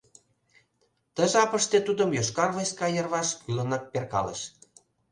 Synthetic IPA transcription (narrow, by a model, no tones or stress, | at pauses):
t̪ə̆ʒɑpəʃt̪et̪ud̪ə̆mjoʃkɑrvojskɑjə̆rβɑʃkylənɑk̚perkɑ̰lḛʃ